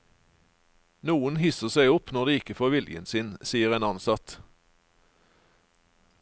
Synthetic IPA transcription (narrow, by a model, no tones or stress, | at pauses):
nuːənhɪsəʁsæɪʊpnɔʁd̪iːɪkəfoːʁʋɪljə̰nsɪnsiːəʁeːnɑnsɑt̪